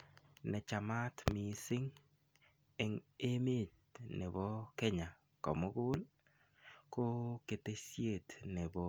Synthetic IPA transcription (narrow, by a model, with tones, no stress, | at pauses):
nɛ˨t͡ʃa˨ma˦tmi˨sɪ˦ŋ | e˨ŋe˦me˦˨t̪̚ | ne˨bɔ˦ke˦ɲa˨ | kɔ̰˨mo˦ɡʊ˦l | ko˦ke˨te˦sje˦˨t̪ne˨bɔ˦